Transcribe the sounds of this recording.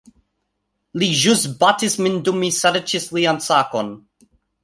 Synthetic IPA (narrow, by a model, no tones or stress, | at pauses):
liʒʊsbatɪsmɪndʊmisaɾət͡ʃɪsliansakɔn